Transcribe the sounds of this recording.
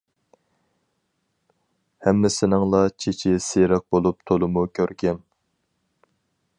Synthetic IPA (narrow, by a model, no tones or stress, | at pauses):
hɛmːɪsɪnɪŋlˠɑt͡ʃʰet͡ʃʰɪseɾəq̚bolˠup̚t̪ʰolˠɨmukʲʰøɾkʲɛm